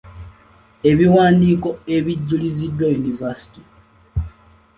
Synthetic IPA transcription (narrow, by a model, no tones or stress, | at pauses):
e̞βiwaːndiːko̞e̞βiɟːulizidːwajunivasi̥ti